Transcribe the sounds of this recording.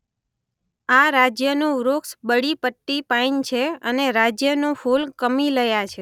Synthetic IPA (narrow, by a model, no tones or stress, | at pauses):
aɾad͡ʒjənõɾoksbəɽipəʈːipaint͡ʃʰeəneɾad͡ʒjənõfolkəmiləjat͡ʃʰe